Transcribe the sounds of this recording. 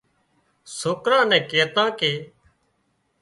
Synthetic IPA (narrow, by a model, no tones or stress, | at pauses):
soːkɾãːnɛ̃ːkeːt̪ãːkeː